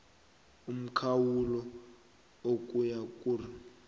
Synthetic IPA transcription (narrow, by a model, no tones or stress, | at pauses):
um̩kʰawulɔ | okʼujakʼuri